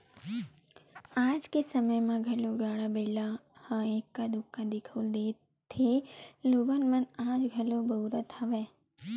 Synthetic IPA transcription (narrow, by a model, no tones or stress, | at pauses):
ad͡ʒkesəməjmãɡʱəloɡaɭabəilahãekːad̪ʊkːãd̪ikʰəld̪e | t̪ʰeloʋənmənãd͡ʒɡʱəlobəuɾət̪ʰaʋe